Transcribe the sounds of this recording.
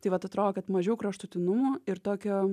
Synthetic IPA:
t̪ɐɪʋɐt̪ɐt̪ɾoːkʲɛt̪mɐʒʲɛʊkɾɐʃt̪ʊt̪ʲɪnʊmʊɪɾt̪oːkʲoː

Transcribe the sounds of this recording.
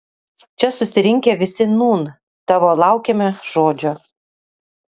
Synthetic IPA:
t͡ʃʲɛsʊsʲɪɾʲɪŋʲkʲeʋʲɪsʲɪnuːn | t̪ɑːʋoːlˠɑˑʊkʲeːmʲɛʒoːd͡ʒʲo

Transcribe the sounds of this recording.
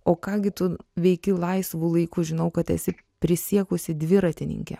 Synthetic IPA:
oːkɑːɡʲɪt̪ʊʋʲɛɪkʲɪlˠɐɪsʋuːlˠɐɪkuʒʲɪnɐʊkɐt̪ɛ̰sʲɪ | pʲɾʲɪsʲiɛkʊsʲɪd̪ʲʋʲɪɾɐt̪ʲɪnʲɪ̰ŋʲkʲɛ̰

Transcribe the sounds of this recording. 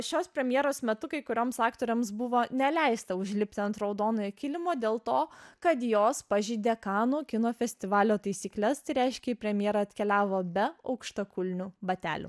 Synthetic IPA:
ʃʲoːspʲɾʲɛmʲjeɛɾoːsmʲɛt̪ʊkɐɪkʊɾʲoːmsɑːkt̪oːɾʲɛmsbʊʋoːnʲɛlʲɛɪst̪ɐʊʒʲlʲɪpʲt̪ʲɪɐnt̪ɾɐʊd̪oːnoɛkʲɪlʲɪmoːd̪ʲeːlˠt̪oːkɐt̪joːspɐʒʲiːd̪ʲekɑːnuːkʲɪnoːfʲɛsʲt̪ʲɪʋɑːlʲoːt̪ɐɪsʲiːklʲɛst̪ɐɪɾʲɛɪʃʲkʲɛipʲɾʲɛmʲjeːɾɐɐt̪ʲkʲɛlʲæːʋoːbʲɛɐʊkʃt̪ɐkʊlʲnʲubɐt̪ʲæ̰ːlʲṵ

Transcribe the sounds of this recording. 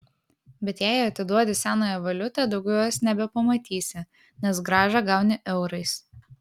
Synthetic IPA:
bʲɛt̪jæˑɪɐt̪ʲɪd̪uɔd̪ʲɪsʲæːnoːjɛʋɐlʲʊt̪ɑˑd̪ɐʊɡʲɛʊsnʲɛbʲɛpɐmɐt̪ʲiːsʲɪ | nʲɛsɡɾɑːʒɑɡɑʊnʲɪʔɛʊɾɐɪs

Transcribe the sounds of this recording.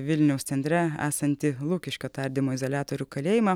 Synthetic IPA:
ʋʲɪlʲnʲɛʊst̪sʲɛnʲt̪ʲɾʲɛæ̰ːsɐnʲt̪ʲɪlˠuːkʲɪʃʲkʲot̪ɐɾʲd̪ʲɪmoːɪzolʲæːt̪oːɾʲuːkɐlʲeːjɪmɑ

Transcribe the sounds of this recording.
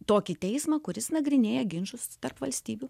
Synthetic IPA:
t̪oːkʲɪt̪ʲɛɪsmɐkʊɾʲɪsnɐɡɾʲɪnʲeːjɛɡʲɪnʒʊst̪ɐrpʋɐlʲsʲt̪ʲiːbʲʊ

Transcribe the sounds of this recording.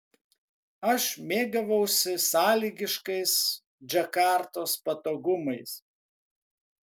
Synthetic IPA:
ɐʃmʲeːɡɐʋɐʊsʲɪsɑːlʲiːɡʲɪʃkɐɪs | d͡ʒʲɐkɑːˑɾt̪oːspɐt̪oːɡʊmɐɪs

